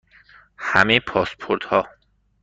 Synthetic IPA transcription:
hæ̰mejpʰɒːspʰoɾd̪̥hɒː

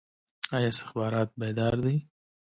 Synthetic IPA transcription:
ɑjɑɪst̪ɪ̥xbɑːɾɑːt̪̚bed̪ɑɾd̪i

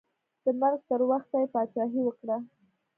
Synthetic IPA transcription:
d̪̥əmaɾɡt̪əɾwaxt̪ajepɑt͡ʃɑɦiwəkɽa

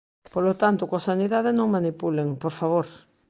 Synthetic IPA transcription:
polot̪ant̪ʊkosaniðaðenõŋmanipuleŋpoɾfaβ̞oɾ

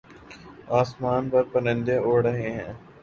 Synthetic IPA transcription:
aːsmaːnpɐɾpɐnə̃nd̪ẽoːɽəɦeɦɛ̰̃ː

